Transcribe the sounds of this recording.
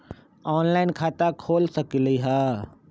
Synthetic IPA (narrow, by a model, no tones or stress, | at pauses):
ɔːnlaːɪnkʰaːt̪akʰoːlsɐkiliɦɛː